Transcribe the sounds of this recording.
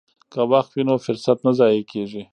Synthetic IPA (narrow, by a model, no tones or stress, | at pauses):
kawaxt̪winofʊɾsat̪nazɑjekeʒi